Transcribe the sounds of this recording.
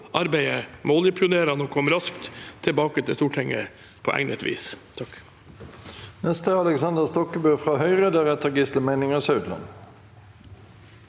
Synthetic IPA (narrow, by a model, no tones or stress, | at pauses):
ʔɑɾbæɪəmoːljəpʰɪʊneːɾɑnoːkʰɔmɾɑskt̪t̪ʰːɪlbɑːkət̪ʰɪst̪uːʈʰɪŋːə | pʰo̰ʔæ̰ŋnət̪ʋḭːst̪ʰɑk | nɛst̪əɑləksɑnd̪əst̪ɔkəbʉfʁɑɦœʏʁəd̪æʁɛt̪əɡɪst̪əmæɪnɪŋɑsœʉd̪lɑ̰n